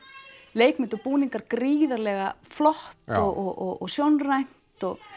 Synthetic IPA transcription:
leːjkmɪnt̪ɔpuːniŋkaɾkɾiːðaɾlɛɣaflɔht̪ɔɣɔɣɔɣɔsjownrajn̥t̪ɔɣ

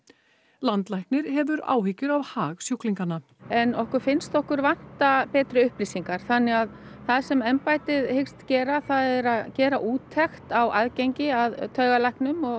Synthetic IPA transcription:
lant̪lajknɪɾ̥hɛvʏɾa̰ːwɦɪcːʏɾavhaːɣsjowkliŋkanːa | ɛnɔhkʏɾ̥fɪnst̪ɔhkʏɾvan̥t̪apɛːt̪ɾʏʏhplisiŋkaɾ̥θanːɪɣað | θaðsɛmɛmpajt̪ɪðhɪkst̪cɛːɾaθaðɛɾaðcɛːɾaʔuːt̪ʰːɛxt̪awaðcejɲcɪaðt̪ʰœːɣalajhknʏmɔɣ

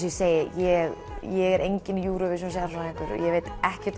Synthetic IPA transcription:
sjɛseːjɪjɛɣ | jɛɣɛɾʔejɲcɪnjuːɾɔvɪɾ̥sms̬aɣaɾsɔnaɪŋkʏɾ̰jɛɣveːjt̪ɛhcɛ̥t̪

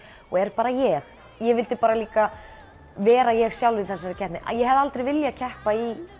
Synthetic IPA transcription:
ɔɛɾpaːɾajɛx | jɛvɪlt̪ɪpaːɾaliːka | vɛːɾajɛɣsjawlvɪðθɛsːaɾɪcʰɛh̪t̪nɪʔa̰jɛɦɛvðalt̪ɾejvɪljacʰɛhpai

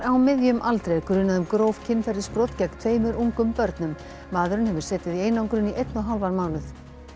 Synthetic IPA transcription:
ɾawmɪðjʏmʔalt̪ɾejkɾʏːnaðʏmkɾowv̥cʰɪnːfɛɾɪ̥spɾɔwt̪cɛkt̪ʰveːjmʏɾʔuŋkʏmpœɾt̪nʏmː | aːðʏɾʏnhɛvʏɾ̥sɛːt̪ɪðieːjnawŋkɾʏniʔejt̪nɔɦalvanmaːwnʏθ

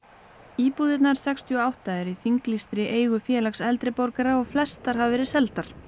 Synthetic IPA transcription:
iːpuːðɪt̪naɾ̥sɛkst̪ʰiɔawht̪aɛɾiθiŋklist̪ɾɪʔeːjɣʏfjɛːlaksɛlt̪ɾɪpɔɾkaɾaɔɣflɛst̪aɾ̥ɦavvɛːɾɪsɛlt̪aɾ̥

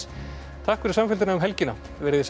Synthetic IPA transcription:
t̪ʰahkfɪɾɪ̥samfɪlt̪ɪnaʏmɦɛlcɪna | vɛɾɪðɪs

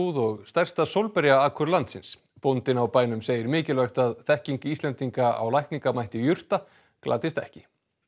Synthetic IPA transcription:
ðɔɣst̪ɛr̥st̪asowlpɛɾjaaːkʰʏɾlant̪sɪns | pɔnt̪ɪnawpaːjnʏmseːjɪɾmɪːcɪlvɛxt̪aðθɛhciŋkiːst̪lɛnt̪iŋkaa̰wlajhkniŋkamajht̪ɪjʏr̥t̪a | klaːt̪ɪst̪ɛ̰hcɪ

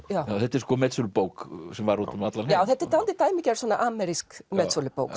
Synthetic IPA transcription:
jawjawθɛt̪ːɛɾskɔmɛt̪sɔlɪpowksɛmvaɾuːt̪ʏmat̪lanjaːwθɛt̪ːɛɾt̪ant̪ɪɾt̪aːjmicaɾsɔnaʔamɛɾiskmɛt̪sɔlɪpo̰wk

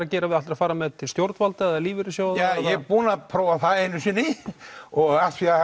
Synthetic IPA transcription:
ɾacɛːɾavɪðalɾḁfaːɾamɛðt̪ʰɪlst̪jowɾt̪valt̪aɛðaliːvɪɾɪsjoːwðajðɛpuːnapʰɾɔːwvaθaðejnʏsiːnɪ | ɔat̪fia

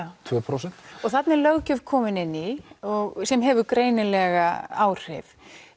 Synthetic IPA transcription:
t̪ʰvœpʰɾosɛn̥t̪ɔɣθat̪nɪlœɣcʏvkʰɔːmɪnɪnːiɔɣsɛmɦɛːvʏɾkɾeːjnɪlɛɣaaːwr̥ɪ̰v

